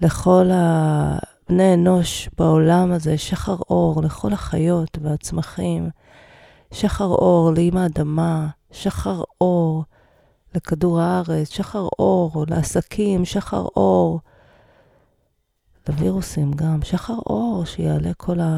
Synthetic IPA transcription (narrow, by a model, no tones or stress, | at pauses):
le̞χo̞la | bneːno̞ʃbao̞lamaze̞ʃaχaʁo̞ʁle̞χo̞laχajo̞tveat͡smaχim | ʃaχaʁo̞ʁleimaːdama | ʃaχaʁo̞ʁ | lekaduʁaaʁet͡sʃaχaʁo̞ʁleasakʰimʃaχa̰ʁʔo̞ʁ | leviʁusimɡamʃaχaʁʔo̞ʁʃejeale̞kʰo̞la